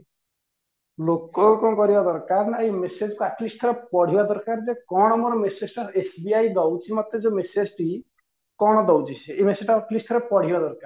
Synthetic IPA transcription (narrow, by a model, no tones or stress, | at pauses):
lokɔkɔkɔɾibad̪ɔɾkaɾnaemesed͡ʒɔkuaʈlisʈʰɔɾepɔɽ̤ibad̪ɔɾkaɾd͡ʒekɔɽ̃ɔmɔɾɔmesed͡ʒʈaɾesbiajɡ̪ɔwt͡ʃʰimɔt̪ːed͡ʒemesed͡ʒʈi | kɔɽ̃ɔd̪ɔwt͡ʃʰit͡ʃʰeemesed͡ʒʈaaʈlisʈ̪ʰɔɾepɔɽ̤ibad̪ɔɾkaɾ